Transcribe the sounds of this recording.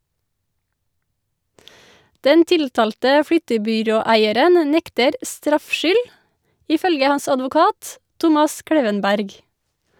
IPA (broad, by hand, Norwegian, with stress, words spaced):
ˈdɛn ˈtɪltɑːltə ˈfɽʏtəbʏˌɾoːˌæɪəɾən ə ˈnɛktəɾ ˈstɾɑfʃʏl ɪˈfœlɡə ˈhɑns ɑdʋʊˈkɑːt ˈtʊmɑs ˈkɽeːʋənˌbæɾɡ